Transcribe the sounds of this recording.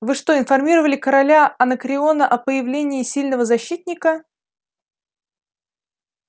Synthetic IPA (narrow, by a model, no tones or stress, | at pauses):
vɨʂt̪o̞ɪnfɐrmʲiɾəvəlʲɪkəɾɐlʲaɐnəkɾʲɪo̞nəʔɐpəjɪvlʲenʲɪːsʲilʲnəvəzɐɕːit̪̚ʲnʲɪkə